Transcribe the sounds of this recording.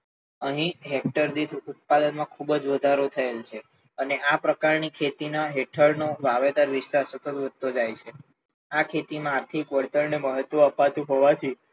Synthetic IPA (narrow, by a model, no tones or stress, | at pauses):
əɦĩɦek̚ʈəɾd̪it̪ʰut̪̚pad̪ənmãkʰubəd͡ʒʋəd̪ʱaɾot̪ʰəelt͡ʃʰe | əneʔapɾəkaɾnikʰet̪inaɦeʈʰəɾnoʋaʋet̪aɾʋist̪aɾsət̪ət̪ʋəd̪̚ʱt̪od͡ʒajt͡ʃʰe | akʰet̪imãaɾt̪ʰikʋəɽt̪əɾneməɦət̪ʋəəpat̪ũɦoʋat̪ʰi